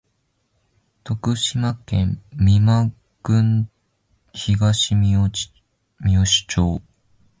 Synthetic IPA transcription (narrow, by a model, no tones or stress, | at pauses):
t̪o̞kɯ̟ɕimakẽmmʲima | ɡɯ̟̃ŋ | çiɡaɕimʲo | mʲjoɕi̥t͡ɕoː